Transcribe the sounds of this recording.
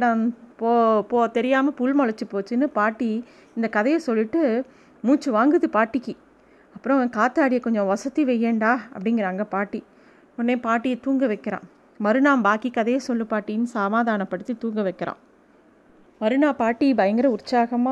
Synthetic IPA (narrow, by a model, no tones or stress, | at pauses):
ɽaːpoːpoːt̪ɛɾɪjaːmɐpuɭmɔɭɐt͡ʃːɯpoːt͡ʃːɯnɯpaːʈːi | ɪnd̪ɐkɐðɐjɐsɔlːɪʈːɯ | muːt͡ʃːɯʋaːŋɡɯðɯpaːʈːɪkːɯ | ɐpːɯɾɔ̃kaːt̪ːaːɽɪjɐkɔɲd͡ʒɔ̃ʋɐsɐt̪ːiʋɛjːeːɳɖaːɐ̰pːɐɽɪŋɡɪɾaːŋɡɐpaːʈːi | ɔnːeːpaːʈːɪjɐt̪uːŋɡɐʋɐɪkːɐɾã̰ː | mɐɾɯnaːmbaːkikɐðɐjɐsɔlːɯpaːʈːɪjɯnsaːmaːðaːnɐpːɐɽɯt̪ːit̪uːŋɡɐʋɐɪkːɐɾã̰ː | mɐɾɯnaːpaːʈːibɐjɐŋɡɪɾɐʊɾt͡ʃːaːɣɐma